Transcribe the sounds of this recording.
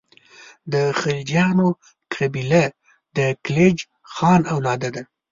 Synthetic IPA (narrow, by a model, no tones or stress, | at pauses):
d̪əxald͡ʒjɑno | kʰabila | d̪̥əkled͡ʒ | xɑnawlɑd̪ad̪a